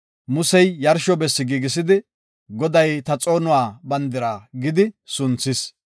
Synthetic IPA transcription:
mʊsɛjjɐɾʃɔbɛsːɪɡiːɡɪs̬ɪd̪ɪ | ɡɔd̪ɐjt̪ɐt͡sʼo̞ːnʊwaːbɐnd̪ɪɾaːɡɪd̪ɪsʊnt͡sːɪs

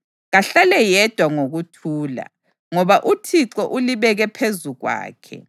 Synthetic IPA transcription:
ɣaɬalɛjɛd̥ʱwaŋoɣutʰuːla̰ | ŋɔβaʔutʰiǁɔʔuliβɛɣɛpʰezuɣwa̰ːkʰɛ̰

